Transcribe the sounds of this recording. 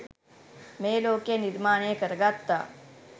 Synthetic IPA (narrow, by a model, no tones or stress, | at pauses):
meːloːkenɪɾmaːɳ̃ẽːkəɾɡaːt̪ːaː